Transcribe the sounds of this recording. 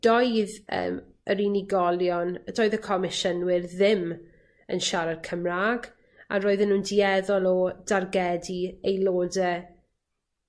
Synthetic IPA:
d̥ɔjðə̰ːm | əɾiniɡɔlˠjɔnd̥ɔːɨðəkʰɔmɪʃənwɪrðɪm | ə̰nʃaɾad̥̚kʰəmraːɡ | a̰ɾoːɨðənuːndiɛðɔlˠɔdarɡɛdiejloːdɛ

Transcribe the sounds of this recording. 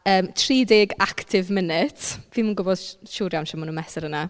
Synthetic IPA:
əːmtʰriːdɪɡaktʰɪvmɪnɪtʰviːmuːnɡʊbɔd̥ʃuːɾjawnʃamunəmɛsɪɾəna

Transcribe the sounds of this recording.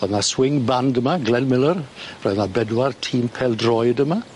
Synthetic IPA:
ɔðnaswɪŋbandəmaɡlɛnmɪlˠərrɔjðnabɛdwartʰiːmpʰɛlˠdrɔjdəma

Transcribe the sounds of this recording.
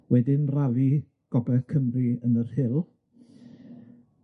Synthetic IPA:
wɛdɪnralˠi | ɡ̥ɔbɛkʰəmriənərhɪlˠ

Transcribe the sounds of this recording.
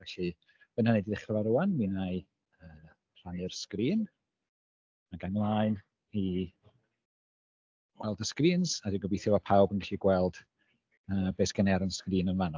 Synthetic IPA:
vɛɬi | b̥ənanɛdiðɪχrəvaɾʊanmiːnaj | əː | r̥anɨrskriːn | maɡanlˠaːɨn | i | wɛlˠdaskriːnsadinɡɔbiːθjʊapʰawbənɡɛɬiɡwɛlˠd̥ | əːbeːsɡ̥ɛnɛɾanskriːnənvanɔ

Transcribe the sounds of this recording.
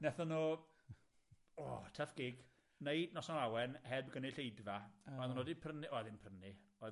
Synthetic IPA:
nɛθɔno | ɔtʰəfɡ̥ɪɡ | nejdnɔsɔnawɛnhɛdbɡəniɬejdvaɔjðanoːdipʰrəniʔɔjðɪnpʰrənɪɔ

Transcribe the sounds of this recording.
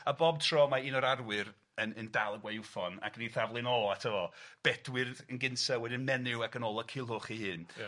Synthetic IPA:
abɔb̚tʰrɔmaiːnɔɾarwɨɾ | ənəndalˠəɡwɛwfɔna̰kniθavlˠɨnɔatʰəvɔb̥ɛdwɨrðənɡɪnsawɛdɪnmɛnɪwakənoːlˠəkʰɪlˠʊχihɨːn

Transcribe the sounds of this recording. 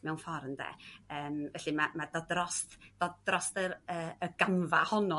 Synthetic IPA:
mɛwnfɔɾndɛ̰əːmvɛɬimamadɔdrɔstd̥ɔdrɔstəɾəːəɡ̥amvahɔnɔ

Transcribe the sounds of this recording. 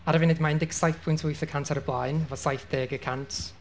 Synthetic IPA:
aɾəvɪnɪdmaɪndɪɡsajθpʰʊɨntʰʊɨθəkʰantʰaɾəblˠaɨnvɔsajθd̥eːɡəkʰantʰ

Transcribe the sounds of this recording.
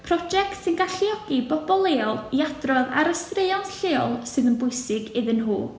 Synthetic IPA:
pʰrɔd͡ʒɛktsɪnɡaɬiɔɡ̥ibɔbɔlˠeːɔlˠiadrɔða̰ɾəstreɨɔntɬeːɔlˠsɨðənbʊɨsɪɡɪðənɦṵː

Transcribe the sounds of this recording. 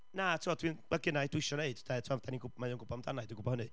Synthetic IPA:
natʰiɔdʰwinəɡənadwɪʃɔneɨd̥d̥ɛtʰuavdaniɡʊbmajɔːnɡʊbɔmdanaɨdwiɡʊbɔhənɨ

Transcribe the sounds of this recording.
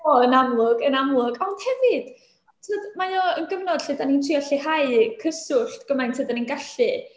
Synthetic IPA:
ɔənamlˠʊɡənamlˠʊɡawnhɛvɨd̥ | tʰoːdmajɔənɡəvnɔd̥ɬɨdanintʰriɔɬiɦaɨkʰəsʊɬtɡ̥əmajntʰɨːdaninɡaɬɨ

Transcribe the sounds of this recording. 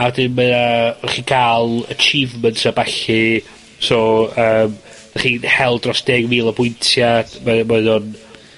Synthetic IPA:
awɛdɪnməðaχiːkʰaːlˠət͡ʃʰivməntʰabaɬɪ | soəːm | d̥aχiːhɛlˠdrɔsd̥eːɡviːlˠəbʊjntʰjad̥mɛmɛðʊn

